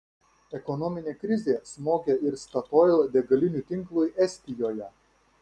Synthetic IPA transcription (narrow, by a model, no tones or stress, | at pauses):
ɛkɔnɔmʲɪnʲeːkɾʲɪzʲeːsmoːkʲeɪɾst̪ɐt̪ɔɪlˠd̪ʲɛɡɐlʲɪnʲuˑt̪ʲɪŋklˠʊjʔɛsʲt̪ʲɪjoːjɛ